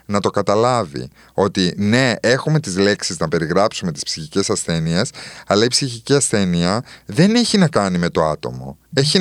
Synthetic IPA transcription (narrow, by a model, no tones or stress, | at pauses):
nɐt̪o̞kɐt̪ɐlɐvḭ | o̞t̪ine̞e̞xume̞t̪izle̞ksiznɐpe̞ɾiɣɾɐpsume̞t̪i̥spsiçice̞sɐsθe̞niesɐlɐipsiçiciɐsθe̞niɐðe̞ne̞çinɐkɐnime̞t̪o̞ɐt̪o̞̰mo̞̰e̞çi